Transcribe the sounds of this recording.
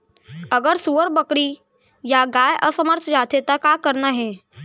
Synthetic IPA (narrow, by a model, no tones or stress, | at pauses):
ɐɡəɾsuːəɾbəkɽi | jaɡaːjʔəsəməɾt̪ʰd͡ʒaːt̪et̪akakəɾnaɦɛː